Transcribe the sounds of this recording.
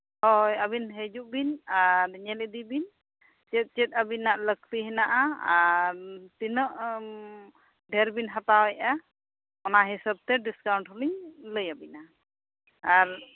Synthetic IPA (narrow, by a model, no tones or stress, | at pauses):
hɔjəbinɦed͡ʒuʔbinaɾɲɛlɛd̪ibin | t͡ʃɛt̪̚ˀt͡ʃɛt̪̚ˀabinaʔlək̚t̪iɦɛnaʔaaɾt̪inəʔ | ɖʱɛɾbinɦat̪awɛjʔa | ɔnaɦisəb̚t̪ɛɖiskawɳʈhuliɲləjabina | aɾ